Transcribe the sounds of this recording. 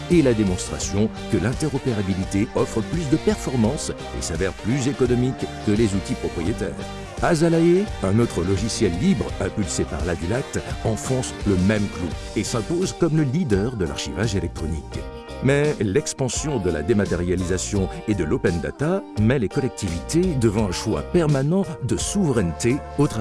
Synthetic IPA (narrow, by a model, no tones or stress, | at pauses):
elad̪emɔ̃st̪χa̰sjɔ̃ | kəlɛ̃t̪ɛʁɔpeʁabilit̪eɔfχəplys̬d̪əpɛʁfɔʁmɑ̃s | ḛsavɛʁplyzekɔnɔmikː | əlezut̪ipχɔpχijet̪ɛ̰ːʁ | azalaeɛ̃not̪χəlɔʒisjɛlːibʁɛ̃pylsepa̰ʁlavilat̪ɑ̃fɔ̃sləmɛmklu | esɛ̃pozkɔmləlid̪œʁd̪əla̰ʁʃivaʒelɛk̚t̪χɔnḭk | mɛlɛkspɑ̃sjɔ̃d̪əla̰d̪emat̪eʁjalizasjɔ̃ed̪əlopɛnd̪a̰t̪amɛlekɔlɛk̚t̪ivit̪ed̪əvɑ̃ɛ̃ʃwa̰pɛʁmanɑ̃d̪əsuvʁɛnt̪eot̪χa